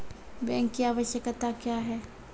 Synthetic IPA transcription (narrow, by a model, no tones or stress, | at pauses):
bɛ̃ːŋkːiaːʋəʃjəkt̪akjaːɦɛː